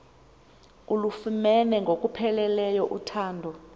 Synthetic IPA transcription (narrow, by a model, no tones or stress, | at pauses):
ulufumɛnɛŋɡʱokʼupʰɛlɛlɛjɔʔutʰaːndʱɔ